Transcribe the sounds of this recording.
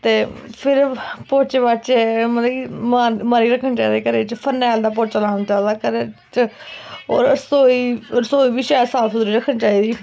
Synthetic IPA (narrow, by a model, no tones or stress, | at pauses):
t̪eːpʰɪɾpot͡ʃʋət͡ʃmət̪lːkimaːmaːɾiːɾəkʰːəɳt͡ʃaːd̪eːkəɾeːt͡ʃpʰənɛːld̪aːp̬oːt͡ʃalaːnt͡ʃald̪aːkəɾet͡ʃ | ɔ̰ːɾsoːiːsoːiːbiːʃɛːɾsaːp̪ʰːɾiːɾəkʰːəɳt͡ʃaːiːd̪iː